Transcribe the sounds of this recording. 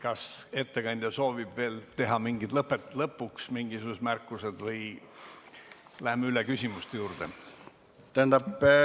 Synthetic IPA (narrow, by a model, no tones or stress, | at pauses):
kɑse̞t̪ːe̞kɑnʲd̪̥ʲjɑso̞ːvib̥ve̞ːlt̪e̞ɦɑmiŋɡid̪̥lɤpːˑet̪ːˑlɤpːˑuksmiŋɡ̥isuse̥mærkːused̪̥vɤj | læhemeylekysʲimust̪ejuːrd̪̥ḛ | t̪æẽnd̪ɑp